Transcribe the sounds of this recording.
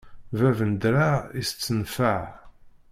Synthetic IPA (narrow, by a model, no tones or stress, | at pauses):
vævənd̪ɾaist͡sːənfəʕ